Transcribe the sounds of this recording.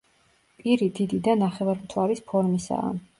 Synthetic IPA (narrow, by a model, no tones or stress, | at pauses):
pʼiɾid̪id̪id̪anaχɛvaɾmt̪ʰwaɾispʰɔɾmisa̰a̰